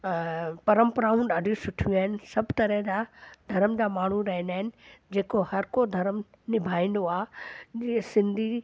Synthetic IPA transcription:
pɐɾə̃mpəɾaːũɖaːɖʱisʊʈʰuaːɪnɪ̆sɐbt̪ɐɾə̃ɦd͡ʑad̪ʱɐɾəmd͡ʑaːmaːɳ̤uɾɐɦɪ̃nd̪aːɪnɪ̆d͡ʑeːkohɐɾkod̪ʱɐɾəm | nɪbʱaːĩnd̪oaː | sɪ̃nd̪ʱi

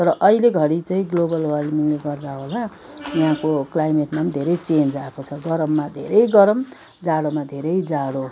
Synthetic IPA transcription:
t̪ʌɾʌʔʌɦileɡʱʌɽit͡saĩɡlobʌlwʌrɖmiŋleɡʌrd̪aɦola | jãkoklajmeʈmand̪ʱeɾʌjt͡send͡zaekot͡sʰʌɡʌɾʌmːad̪ʱḛɾʌjɡʌɾʌm | d͡zaɽomad̪ʱeɾʌjd͡zaɽo

